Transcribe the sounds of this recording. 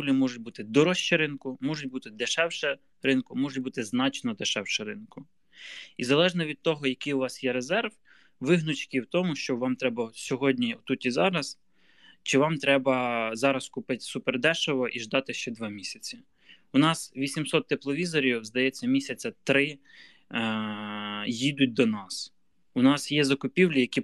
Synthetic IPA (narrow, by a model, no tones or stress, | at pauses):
ulʲimɔʒʊt̚ʲbut̪ɪd̪ɔɾɔʃt͡ʃɛɾɪnkʊmɔʒʊt̚ʲbut̪ɪd̪eʃɛwʃɛ | ɾɪnkʊmɔʒʊt̚ʲbut̪ɪznɑt͡ʃnɔd̪eʃɛwʃɛɾɪnkʊ | izɐlˠɛʒnɔʋʲid̪̚t̪ɔɦɔjɐkijʊʋɑsjɛɾezɛrʋ | ʋɪɦnʊt͡ʃkʲiwt̪ɔmʊʃt͡ʃɔʋɑmt̪ɾɛbɐsʲɔɦɔdʲnʲiɔt̪ut̪ʲizɑɾɐs | t͡ʃɪʋɑmt̪ɾɛbɐzɑɾɐskʊpɪtʲsuperd̪ɛʃɔʋɔʔiʒd̪ɑt̪ɪʃt͡ʃɛd̪ʋɑmʲisʲɐt͡sʲi | ʊnɑsʋʲisʲimsɔt̪ːeplˠɔʋʲizɔɾʲiwzd̪ɐjɛt͡sʲːɐmʲisʲɐt͡sʲːɐt̪ɾɪ | jid̪ʊt̚ʲd̪ɔnɑs | ʊnɑsjɛzɐkʊpʲiwlʲijɐkʲi